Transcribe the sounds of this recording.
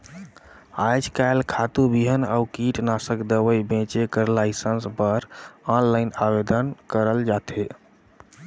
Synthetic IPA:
ad͡ʒkajlkʰat̪ubiɦənaukiʈnasəkd̪əʋəjbẽt͡ʃekəɾlajsənspəɾɔnlajnabed̪ənkəɾəld͡ʒat̪ʰe

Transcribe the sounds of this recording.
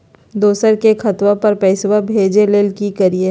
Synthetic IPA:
d̪oːsəɾkexʰɐt̪wapɐɾpɛːswabʱeːd͡ʒeleːlkikɐɾie

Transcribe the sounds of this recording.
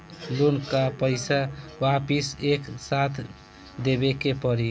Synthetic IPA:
lunkapəɪsawapiseksat̪ʰ | d̪ebekepʌɾi

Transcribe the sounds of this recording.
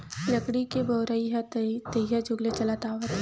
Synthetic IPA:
lɐkɽikeboːɾaiɦt̪əɦad͡ʒʱʊɡlet͡ʃɐlat̪aːʋət̪

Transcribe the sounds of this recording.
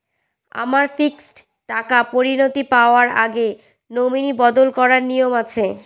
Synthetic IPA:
a̰maɾfiksʈ | ʈakapoɾinot̪ipaoaɾa̰ɡe | nominibɔd̪olkɔɾaɾnijomat͡ɕʰe

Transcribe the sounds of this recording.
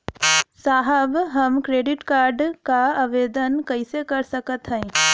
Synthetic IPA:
saːɦəbɦəmkɾeːɖɪʈkaːɾɖkaaʋeːd̪ənkəisekɐɾsəkət̪ɦə̃

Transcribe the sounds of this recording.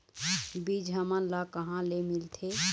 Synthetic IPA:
bid͡ʒɦəməlakəɦãlemilt̪ʰe

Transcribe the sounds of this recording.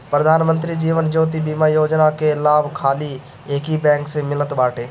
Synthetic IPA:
pɾəd̪ʱaːnmə̃nt̪ɾid͡ʒiːʋənd͡ʒoːt̪̬ibiːmajoːd͡ʒnakelaːbʱkʰaːli | eːkibɛ̃ːŋksemɪlət̪baːʈeː

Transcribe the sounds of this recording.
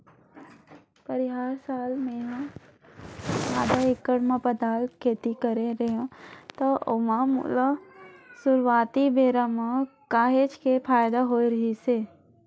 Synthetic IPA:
pɐɾɪɦaːɾsaːlmẽ | aːd̪aɪkːəɽmãpəd̪ʱaːlkʰeːt̪ikəɾeɾɐɦãt̪oʊmamṵlasʊɾʋaːt̪ibeːɾamãkaːɦet͡ʃkʰepʰaːjd̪aɦoːiɾɐɦise

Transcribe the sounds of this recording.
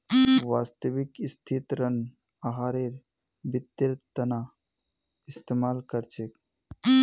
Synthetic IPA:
ʋaːst̪əʋikist̪ʰit̪ɾən | aɦaːɾeɾ | bit̪ːeɾt̪əna | ist̪emaːlkəɾt͡ʃʰek

